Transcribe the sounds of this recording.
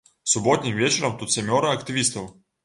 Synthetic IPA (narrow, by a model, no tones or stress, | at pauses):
sʊbɔt̪ʲnʲimvʲet͡ɕɪɾɐmt̪ut̪sʲɐmʲɔɾɐɐkt̪ɨvʲist̪ɐw